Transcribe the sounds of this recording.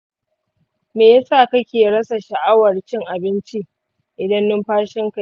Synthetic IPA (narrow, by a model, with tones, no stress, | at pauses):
meː˨ja˦saː˦˨kɐ˦kʲeː˨ɽɐ˦sa˨ʃa˨ʔa˦wɐ˨rt͡ʃɪ˦ŋʔa˨bɪ˦nt͡ʃi˦ | ʔɪ˨dɐ˦nːʊ˦mɸaː˦ʃɪ˦ŋka˨